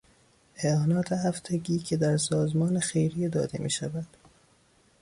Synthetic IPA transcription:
ʔeɒːnɒːt̪ʰehæft̪ʰeɟiːcʰed̪æɾsɒːzmɒːnexejɾiːd̪ɒ̰ːd̪ḛmḭːʃævæd̪̥

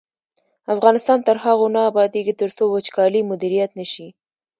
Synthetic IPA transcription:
afɣɑnɪst̪ɑnt̪əɾɦaɣonaːbɑd̪eɡit̪əɾsowət͡ʃkɑlimʊd̪iɾijat̪nəʃi

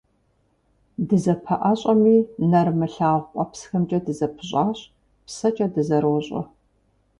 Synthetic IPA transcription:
dɨzɐpʰɐʔɐɕʼɐmiːnɐrmɨɬaːʁʷqʷʼɐpsxɐmt͡ʃʼɐdɨzɐpʰɨɕʼaːɕʼ | psɐt͡ʃʼɐdɨzɐɾwɔɕʼɐ̰

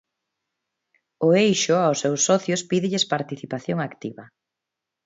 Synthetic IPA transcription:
ʊejʃʊawsːewsːɔθjʊspiðɪʎɪspaɾt̪iθipaθjoŋakt̪iβɐ

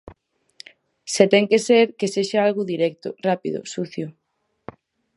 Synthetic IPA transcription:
set̪ɛŋkeseɾkeseʃaalɣʊðiɾɛk̚t̪ʊ̰rapḭðʊ̰suθjʊ

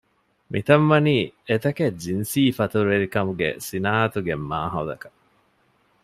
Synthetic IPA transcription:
mʔit̪ɐmʋɐniːet̪ɐked͡ʒinsiːfɐt̪uɾeɾikɐmuɡḛsinaːt̪uɡemːa̰ːɦɐd̪ɐ̰kɐ̥

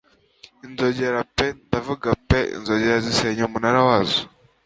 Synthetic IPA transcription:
inzoɟeɾapendavuɡapeḭnzoɟeɾaziseɲoumunaɾawazo̥

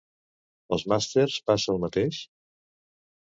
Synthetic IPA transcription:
əlˠzmast̪erspasəəlˠmət̪eʃ

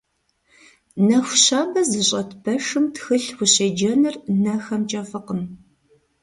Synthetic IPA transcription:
nɐxʷʊɕaːbɐzɨɕʼɐtpʰɐʂɨmtxɨɬwʷʊɕeːd͡ʒɐnɨrnɐxɐmt͡ʃʼɐfɨqəm

